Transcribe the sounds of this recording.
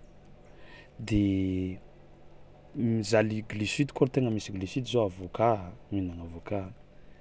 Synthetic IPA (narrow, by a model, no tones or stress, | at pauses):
d̪e | mizaliɡlisit̪i̥koɾt̪eŋəmisiɡlisit̪izoavokaminaŋavokaɦ